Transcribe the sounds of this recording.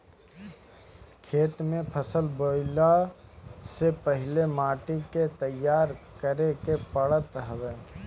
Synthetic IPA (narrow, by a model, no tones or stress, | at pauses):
kʰeːt̪mẽpʰəsəlboːɪla | sepəɦɪlemaːʈiket̪əjːaːɾkəɾekepəɽət̪ɦəweː